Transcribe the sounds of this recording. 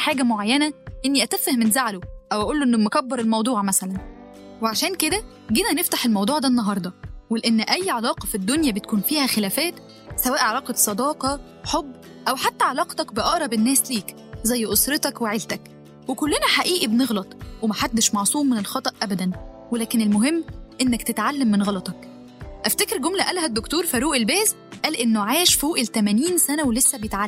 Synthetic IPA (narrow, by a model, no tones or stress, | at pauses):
ħaːɡæmoʕajːænæʔenːiʔæt̪æfːehmenzaʕloʔæwʔæʔuːlːoʔenːmokæbːeɾˤelmɑwd̪ˤuːʕmæsælæn | weʕaʃæːnked̪æ | ɡiːnæneft̪aħelmɑwd̪ˤuːʕd̪ænːɑɦɑɾˤd̪ˤɑweleʔenːʔæjːʕalɑːqɑfid̪ːonjæbet̪̚kuːnfiːhæxelæːfæːt̪ | sæwæːʔʕalɑːqɑt̪sˤɑd̪ɑːqɑ | ħobː | ʔæwħat̪ːæʕalɑːqt̪ɑkbeʔɑʔɾˤɑbenːæːsliːk | zæjːʔosɾet̪ɑkweʕelt̪æk | wekolːenæħaʔiːʔibneɣlɑt̪ˤwemæħad̪ːeʃmɑʕsˤuːmːenelxɑt̪ˤɑʔʔæbæd̪æn | welæːkenelmoɦemːʔenːækt̪et̪ʕalːæmːenɣɑlɑt̪ˤɑk | ʔæft̪ækeɾɡomlæʔælhæd̪ːokt̪oːɾˤfæɾuːʔelbæːz | ʔæːlʔenːoʕaːʃfoːʔelt̪æmæniːnsænæwelesːæbejet̪ʕalː